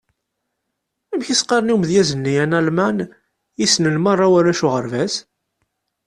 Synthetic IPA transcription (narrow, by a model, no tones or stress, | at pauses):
æmçisqɑɾniwmðjæzənːijænælmæn | jisnəlmɑrˤːawaɾæʃuʁəɾvæs